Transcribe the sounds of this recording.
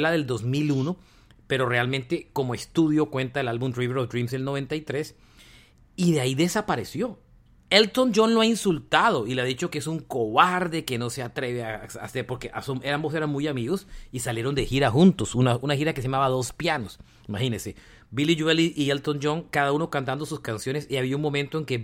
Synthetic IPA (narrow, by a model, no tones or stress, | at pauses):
laðe̞ld̪o̞zmiluno̞ | pe̞ɾore̞almẽ̞nt̪e̞ko̞moe̞st̪uðjo̞kwe̞nt̪aelalβbumdriβeɾofd̪ɾimselnoβe̞nt̪aijt̪ɾe̞s | iðeaiðe̞sapaɾe̞sjo̞ | elt̪ond͡ʒonloainsult̪aðo̞ileaðit͡ʃo̞keesuŋkoβaɾðe̞ke̞no̞se̞at̪ɾe̞βeasa̰seɾpo̞ɾkeʔasomeambo̞se̞ɾaŋmujamiɣosisaljeɾo̞nd̪exiɾaxunt̪o̞sunaunaxiɾakeseamaβaðo̞spjanos | imaxinese̞ | bilid͡ʒweliʔielt̪ond͡ʒo̞ŋkaðauno̞kant̪̬and̪o̞suskansjo̞ne̞siaβiauŋmomẽnt̪oeŋke